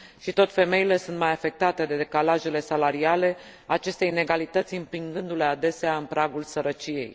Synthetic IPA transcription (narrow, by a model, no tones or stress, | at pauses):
ʃit̪o̞t̪fe̞me̞ile̞sunt̪majafe̞k̚t̪at̪e̞d̪e̞d̪e̞kalaʒe̞le̞salaɾiale̞ | aːt͡ʃe̞st̪ejine̞ɡalit̪ət̪sʲimpiŋɡɨnd̪ule̞ad̪e̞seaɨnpɾaɡulsəɾət͡ʃije̞̰j